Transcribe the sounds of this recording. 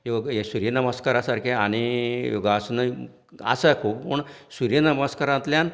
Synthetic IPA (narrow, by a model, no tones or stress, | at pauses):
joɡjesuɾjenəməskaɾasaɾkʰeaɽ̃ijoɡasnə | a̰səkʰuːppəɳsuɾjenəməskaɾãnt̪ljan